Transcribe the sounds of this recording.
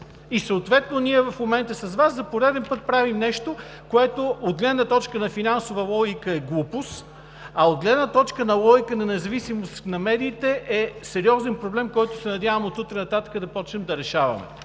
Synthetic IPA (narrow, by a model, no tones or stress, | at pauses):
isəot̪vɛt̪noniɛvɐfmomɛnt̪əsɐzvaszɐpoɾɛd̪ɛnpɤt̪̚pɾavimnɛʃt̪o | koɛt̪ood̪̚ɡlɛd̪nət̪ɔt͡ʃkənɐfinansovəlˠɔɡʲikəɛɡlˠupʊs | ɐod̪̚ɡlɛd̪nət̪ɔt͡ʃkənɐlˠɔɡikənɐnɛzɐvisimost̪nɐmɛd̪iːt̪ɛʔɛsɛɾiɔzɛnpɾoblɛmkɔjt̪ʊsɛnɐd̪ʲavəmot̪ut̪ɾɛnɐt̪at̪ə̥kəd̪ɐpɔt͡ʃnɛmd̪ɐɾɛʃavɐ̰mɛ̰